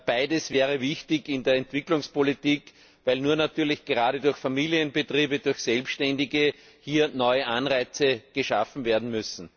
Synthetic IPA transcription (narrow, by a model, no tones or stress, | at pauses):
b̥aɪdəsv̥ɛːʁəvɪçtɪkɪndeːɐɛntv̥ɪklʊŋspolitiːk | væɪlnuːɐnatyːɐlɪçɡ̥əʁaːɾədʊɐçfamiːliənbətʁ̥iːbədʊɐçsɛlpsʃtɛndɪɡə | hiːɐnɔʏəʔanʁaɪt͡səɡ̥əʃafn̩veːɐdn̩mʏsn̩